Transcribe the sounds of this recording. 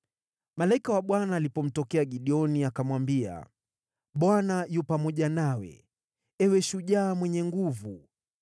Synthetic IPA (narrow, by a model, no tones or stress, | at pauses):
malaikawaɓwanaːlipɔm̩tɔkɛaɡiɗiɔniakamwambia̰ | ɓwanajupamɔʄanawɛ̰ | ɛwɛʃuʄaːmwɛɲɛŋɡuvu